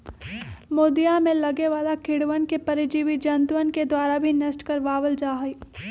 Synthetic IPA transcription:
moːd̪ijamẽlɐɡeʋaːlakʰɪɽʋənkepɐɾɪd͡ʒiʋid͡ʒɐnt̪wənked̪waːɾabʱinɐsʈkɐɾʋaːʋəld͡ʒaːɦiː

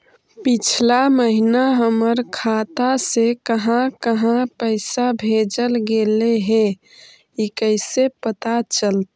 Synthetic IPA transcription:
pit͡ʃʰlaməɦinaɦəməɾkʰat̪asekəɦãkəɦãpəɪsabʱed͡ʒəlɡeleɦe | ikəɪsepət̪at͡ʃəlt̪

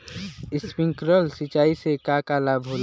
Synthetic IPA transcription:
ɪspɪ̃ŋkɾəlsɪt͡ʃaːisekakaːlabʱoːl

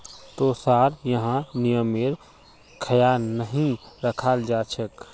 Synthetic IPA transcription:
t̪osaɾjəɦãnijəmeɾ | kʰəjanəɦĩɾəkʰald͡ʒat͡ʃʰək

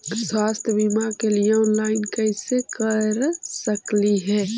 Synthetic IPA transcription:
swast̪ʰjəbimakelieõnlaɪnkəɪsekəɾsəkliɦɛː

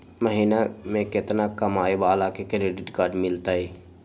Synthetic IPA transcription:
məɦiːnamẽkɪt̪nakəmaːebaːlakekɾeɖɪʈɡaːɾɖmɪlt̪aːɦeː

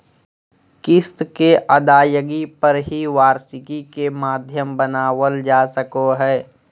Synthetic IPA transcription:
kɪst̪keʔɐd̪aːjəɡipɐɾɦiʋaːɾsɪkikemaːd̪ʱjəmbənaːwəld͡ʒaːsəkoɦɛː

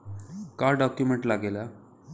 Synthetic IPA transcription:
kaɖɔkjumeɳʈlaɡela

